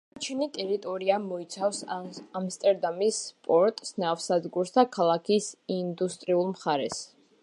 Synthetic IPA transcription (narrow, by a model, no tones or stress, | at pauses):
at͡ʃʰɛnit̪ʼɛɾit̪ʼɔɾiamɔit̪sʰafsamst̪ʼɛɾd̪amispʼɔɾt̪ʼsnafsad̪ɡuɾst̪ʰakʰalˠakʰisind̪ust̪ʼɾiulˠmχaɾɛs